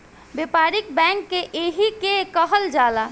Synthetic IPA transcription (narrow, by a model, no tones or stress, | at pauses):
bepaːɾɪk̚bɛ̃ːŋkːeʔeɦikekəɦəld͡ʒaːlaː